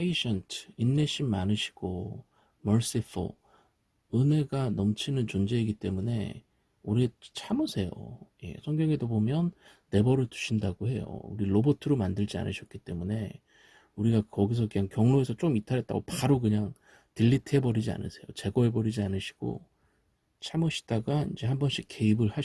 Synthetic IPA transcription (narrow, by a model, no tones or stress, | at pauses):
pʰeiɕʰʌntʰɯinːeɕʰimmːanɯɕʰi̥ɡ̥o | mʌɭs͈ifʰo̰ | ɯne̞ɡanʌmt͡ɕʰinɯnt͡ɕond͡ʑe̞iɡit͈e̞mune̞̰ | uɾit͡ɕʰamɯsʰe̞jo̰je̞̰sʰʌŋɡjʌŋedobomjʌnː | e̞bʌɾɯɭtu̥ɕʰindaɡohe̞jo̰ṵɾilobotʰɯɾomandɯɭd͡ʑia̰nɯɕʰʌk͈̚it͈e̞mune̞ | uɾiɡakʌɡis̬ʰʌkɯɲaŋkjʌŋnoe̞sʰʌt͡ɕ͈okɯmitʰaɾet̚t͈a̰ɡopaɾokɯɲaŋ | tiʎːitʰe̞bʌɾid͡ʑia̰nɯ̰sʰe̞jo̰t͡ɕe̞ɡʌe̞bʌɾid͡ʑianɯɕʰi̥ɡ̥o̰ | t͡ɕʰamɯɕʰi̥d̥aɡaḭnd͡ʑe̞hambʌnɕ͈ʰike̞ibɯɭha